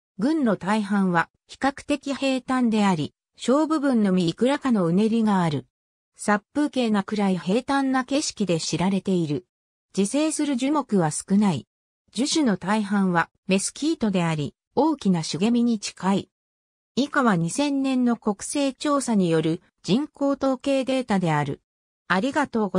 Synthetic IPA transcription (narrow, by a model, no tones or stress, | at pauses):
ɡɯ̟̃nɾo̞t̪aiɦãɰ̃βa | çi̥kakɯ̥t̪e̞kʲihe̞ːt̪ãnd̪e̞aɾʲi | ɕo̞ːbɯ̟bɯ̟̃nːo̞mʲikɯ̟ɾakano̞ɯ̟ne̞ɾʲiɡaːɾɯ̟ | sapːɯ̟ːke̞ːnakɯ̟ɾaiɦe̞ːt̪ãnːake̞ɕi̥kʲid̪e̞ɕiɾaɾe̞t̪e̞iɾɯ̟ | d͡ʑise̞ːsɨɾɯ̟ʑɨmo̞kɯ̟βasɨ̥kɯ̟nai | d͡ʑɨɕɨno̞t̪aiɦãɰ̃βa | me̞sɨ̥kʲiːt̪o̞d̪e̞aɾʲi | o̞ːkʲinaɕiɡe̞mʲiɲ̟it͡ɕi̥kai | ikaβaɲ̟isẽ̞nːẽ̞nːo̞ko̞kɯ̟̥se̞ːt͡ɕo̞ːsaɲ̟ijo̞ɾɯ̟ | d͡ʑĩŋko̞ːt̪o̞ːke̞ːd̪e̞ːt̪ad̪e̞aɾɯ̟̰ | aɾʲiɡat̪o̞ːɡo